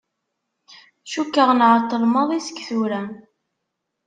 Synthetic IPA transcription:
ʃukːəʁnʕət̪ˤːəlmɑðˤisə̥kːθuɾæ

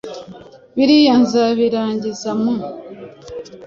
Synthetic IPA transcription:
βiɾijanzaβiɾaːɲɟizamu

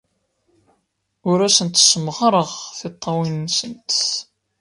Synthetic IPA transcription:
ʊɾæsənt̪səmʁɾˤəʁθɪt̪ˤːɑwinːsənt̪

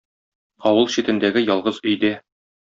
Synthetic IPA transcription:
ɒwɤlˠɕit̪ɘ̆nd̪æɡɘjɒlˠʁɤzɵ̆jd̪æ

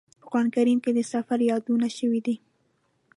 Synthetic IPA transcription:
pəxwɑnkaɾimked̪əsafaɾjɑd̪unaʃəwid̪i

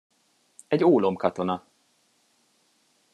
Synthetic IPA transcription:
ɛɟoːlo̞mkɒt̪o̞nɒ

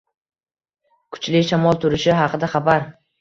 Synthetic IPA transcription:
kʰʊ̥t͡ʃlɪʃamɒlˠt̪ʰʊɾɪʃɪɦɑqʰɨd̪aχɑbaɾ

